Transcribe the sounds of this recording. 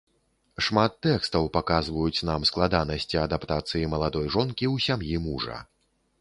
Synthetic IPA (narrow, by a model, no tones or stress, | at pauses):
ʂmat̪ːɛkst̪ɐwpakazvɐjut͡sʲnamsklˠad̪anɐsʲt͡sʲiɐd̪apt̪at̪sɨjimɐlˠad̪ɔjʐɔnkʲiwsʲamjimuʐɐ̰